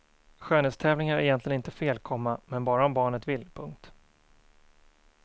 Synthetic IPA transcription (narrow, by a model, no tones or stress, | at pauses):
ɧøːnɛːst̪ʰɛːvlɪŋaɾɛ̰jɛnt̪lɪɡənɪnt̪əfeːlkʰɔmːamɛnbɑːɾaɔmbɑːɳət̪vɪlpʰɵŋk̚t̪